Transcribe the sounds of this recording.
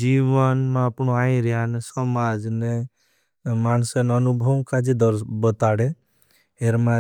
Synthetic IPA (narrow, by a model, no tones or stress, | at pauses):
d͡ʒiʋənmãɐpnoaːĩɾjanesɔmad͡ʒne | maːnsenənubʱəmkad͡ʒid̪ɾbət̪aɽe | ɦeɾmã